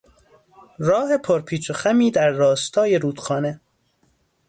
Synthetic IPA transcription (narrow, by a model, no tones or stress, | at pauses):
ɾɒːhe̞pʰoɾpʰiːt͡ʃʰoxæmiːd̪æɾːɒːst̪ʰɒːje̞ɾuːd̪̥xɒːne̞